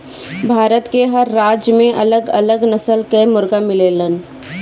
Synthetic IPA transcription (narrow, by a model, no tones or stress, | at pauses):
bʱaːɾət̪keɦɐɾːaːd͡ʒjmẽʔɐləɡɐ̰ləɡnəsəlkemʊɾɡamɪleːlən